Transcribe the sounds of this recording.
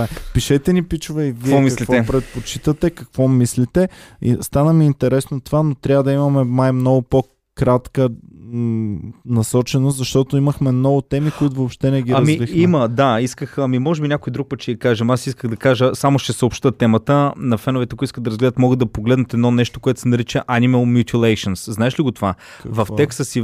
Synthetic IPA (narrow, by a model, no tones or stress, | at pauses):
apiʃɛt̪ɛnipit͡ʃʊvɛivkiɛɔmikɐk̪livɛpɾɛt̪̚pot͡ʃit̪ət̪ɛkɐkv̥ɔmislit̪ɛḭst̪anəmiːnt̪ɛɾɛsnot̪ovanot̪ɾʲavəd̪ɐimɐmɛnajmnɔɡʊpo | kɾat̪kə | nɐsɔt͡ʃɛnoszɐʃt̪ɔt̪oiməxmɛnɔvʊt̪ɛmikoit̪ʊvoːpʃt̪ɛnɛɡʲiɐɾmiviximəd̪aiskəxɐmimɔʒɛbinʲjakʊid̪ɾuk̚pət̪t͡ʃɛɐkaʒɛmasiskəɣd̪ɐkaʒəsamoʃt̪ɛsəopʃt̪ət̪ɛmət̪ənɐfɛnovɛt̪ɛkoiskəd̪ɐɾɐzɡlɛd̪ət̪mɔɡəd̪ɐpoɡlɛd̪nət̪ɛd̪nɔnɛʃt̪o̥koɛt̪o̥sɛnɐɾit͡ʃəʔaniməlˠmʲjut̪ʰʲilˠɛjʃənsznaɛʃliɡot̪ova | kvɐfɛksəsi